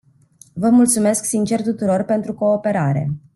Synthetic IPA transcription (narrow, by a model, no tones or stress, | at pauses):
vəmult̪sume̞sksint͡ʃe̞rt̪ut̪uɾo̞rpe̞nt̪ɾuko̞ːpe̞ɾaɾe̞̰